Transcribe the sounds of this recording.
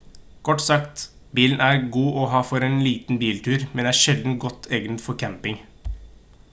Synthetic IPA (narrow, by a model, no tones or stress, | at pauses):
kʰɔʈːsɑkt̪ | biːln̩æɾɡuːʔɔɦɑːfɔɾeːnliːt̪n̩biːlt̪ʰʉːɾmɛnd̪ɛææːʂɛld̪n̩tɡɔt̪ʰːeːɡənt̪fɔɾkʰæmpɪŋ